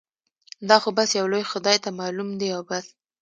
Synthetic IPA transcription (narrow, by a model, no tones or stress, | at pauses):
d̪ɑxobasjawlojxʊd̪ɑjt̪amɑlumd̪eawbas